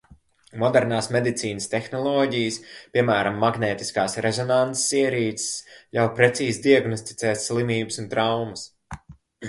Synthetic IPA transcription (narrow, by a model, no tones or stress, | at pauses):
mɔd̪ɛɾnaːsmed̪it̪siːnɨst̪ɛxnɔlˠɔːɟijəspʲiɛmæːɾamːaɡnɛːt̪i̥skaːsɾɛzɔnant̪ssiɛɾiːt̪sslawpɾɛt̪siːzd̪iaɡnɔst̪i̥t̪sɛːsːlˠimiːbəsunt̪ɾawmɐs